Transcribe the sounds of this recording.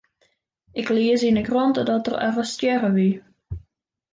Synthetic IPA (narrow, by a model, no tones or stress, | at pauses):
ʔɪkliəsinəkrɔntədɔtərɛ̰fəstjɛɣəʋi